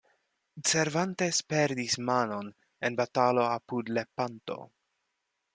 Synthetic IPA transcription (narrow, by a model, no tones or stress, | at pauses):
seɾvante̞speɾdismano̞n | enbatalo̞apudlepanto̰